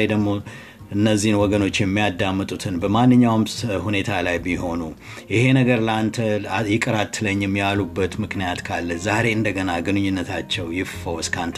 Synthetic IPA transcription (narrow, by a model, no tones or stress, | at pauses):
ed̪əɡmo̞ | ʔɨnːəzːihnwɔɡəno̞t͡ʃːjɛmːijad̪ːamːɨt̪ʼut̪ʰɨnbəmanːɨɲːawmhune̞t̪ʰalajbiho̞nu | jɪhe̞nəɡəɾləant̪ʰəjɪkʼəɾat̪ʰːɨləɲːɪmːjalubːət̪mɨknijat̪kʰalːəzaɾe̞ɨnd̪əɡənaɡɨnɨɲːunːət̪ʰat͡ʃːɛwjɪffəwskʰant̪ʰ